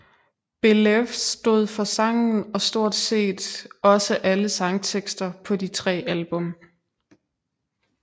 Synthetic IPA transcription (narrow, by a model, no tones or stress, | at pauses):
b̥e̝lefsd̥o̝ð̞̰ˠfɒ̽sɑ̈ŋn̩ɒ̽sd̥o̝ɐ̰d̥se̝̰ːd̥ɒ̽səʔæləsɑ̈ŋt͡sʰeɡ̥sd̥ɐpʰɒ̽dit͡sʰʁɛ̰ːælb̥ɔ̽m